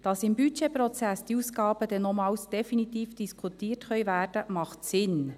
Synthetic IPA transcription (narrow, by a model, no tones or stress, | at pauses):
d̥ɑsɪmbyt͡ʃeprɔt͡sæsd̥iuːsɡɑːb̥əd̪ɛnomɑːwsd̥ɛfinit̪iːfd̥iskʰutiːərtχœʏvæːɾd̥əmɑχtsɪn